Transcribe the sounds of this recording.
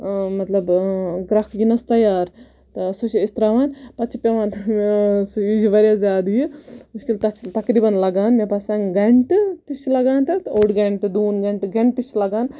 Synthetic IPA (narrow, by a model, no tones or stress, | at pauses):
mɐt̪lɐbɡɾakɡinɐst̪ɐjaːɾ | t̪suʃiist̪ɾaʋaːnpɐt̪t͡ʃʰipʲeʋaːnt̪sid͡ʒiʋɐɾʲjazaːd̪jimuʃkilt̪ɐt̪ɐkɾibɐnlɐɡaːnmepɐsãnɡeɳʈt̪it͡ʃilɐɡaːnt̪ɐt̪oɖɡeɳʈd̪uːnɡɐɳʈɡẽɳʈt̪it͡ʃilɐɡaːn